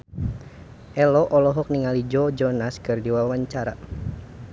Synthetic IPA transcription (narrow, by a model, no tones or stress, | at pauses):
ʔɛlɔʔɔlɔɦɔk̚niŋalid͡ʒɔd͡ʒɔnaskɨrdiwawaɲt͡ʃaɾa